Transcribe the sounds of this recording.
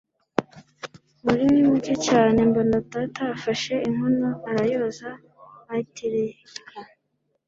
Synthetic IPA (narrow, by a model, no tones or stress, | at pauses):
muɾiwimuɟocaːne̞mbonotatafaʃe̞iŋunoaɾajozaː | tiɾi | ka